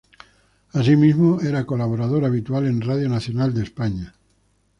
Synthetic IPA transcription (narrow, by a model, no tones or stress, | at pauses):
as̬imizmoeɾakolaβoɾað̞o̞ɾaβ̞it̪uale̞nrað̞jonaθjonald̪espaɲa